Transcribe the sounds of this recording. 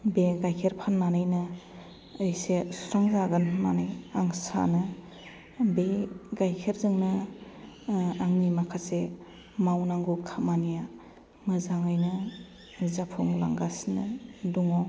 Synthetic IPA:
beɡajkʰeɾpʰanmanɯjnɯː | jsesu̥ɾaŋzaɡɯnmanɯjaŋsa̰nɯ | beɡajkʰeɾzɯŋnɯ | aŋnimakʰase | mawnaŋɡukʰamanija | mɯzaŋɯjnɯ | zapʰɔŋla̰ŋɡasnɯduŋɔ

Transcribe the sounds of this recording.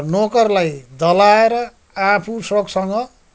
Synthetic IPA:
nokʌrlajd̪ʌlaeɾʌ | apʰusroksʌŋɡʌ

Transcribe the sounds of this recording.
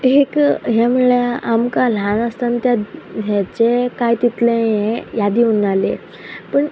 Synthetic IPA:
ekɦemuɭeamkalanəst̪ant̪jaɦat͡sekajt̪it̪leẽjad̪iunalḛ | pəɳ

